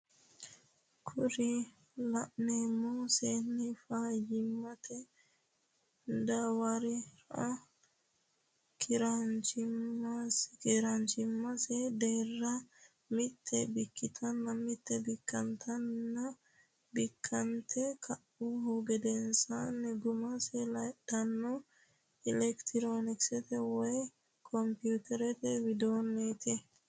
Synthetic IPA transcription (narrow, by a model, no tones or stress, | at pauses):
kʰʊɾɪ | lɐʔneːmːuseːnːɪfaːjɪmːɐt̪ʰɛ | d̪ɐwɐɾɪɾ | kʰɪɾant͡ʃɪmːaskɪɾant͡ʃɪmːɐsɛd̪eːrːɐ | mɪt̪ʰːɛbɪkːɪt̪ʰɐnːɐmɪt̪ːɛbɪkʰːɐnt̪ʰɐnːɐ | bɪkʰːɐnt̪ʰɛkʰɐʔʊhʊɡɛd̪ɛnsɐnːɛɡʊmɐsɛlɐd̪ɐnːɔ | ɪlɛkt̪ɪɾonɪksɛt̪ɛwɔj | kʰɔmpjuːt̪ɛɾɛt̪ɛwɪd̪oːnːeːt̪ʰɛ